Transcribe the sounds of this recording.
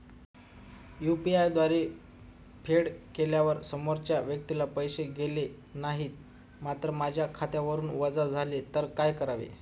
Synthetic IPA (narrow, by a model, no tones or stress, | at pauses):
jupiajd̪ʋaɾe | pʰeɽkeljaʋəɾsəmoɾt͡ɕjaʋjək̚t̪ilapəjɕeɡele | naɦiːt̪̚ | mat̪ɾəmad͡ʑʱjakʰat̪jaʋəɾuːnʋəd͡zad͡zʱalet̪əɾkajkəɾaʋḛ